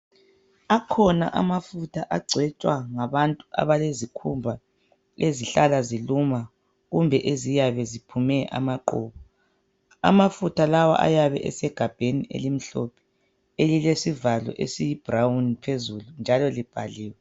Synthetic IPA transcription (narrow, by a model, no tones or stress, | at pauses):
akʰɔna̰ʔamafutʰaʔaɡ͡ǀʱwɛt͡ʃʼwaŋaβantʼuʔa̰βalezikʰumbʱa | leziɬalaziluma | ɣumbʱɛʔezijaβɛzipʰumɛʔa̰maǃɔ̰ːβɔ | a̰mafutʰalawa̰ʔa̰jaβɛ̰ʔɛ̰sɛɡ̥ʱab̥ʱeniʔḛlim̩ɬɔpʰɛ̥ | elilesivalɔ̰ʔḛsijib̥rawnpʰezulund͡ʒʱalɔlib̥ʱaliːwɛ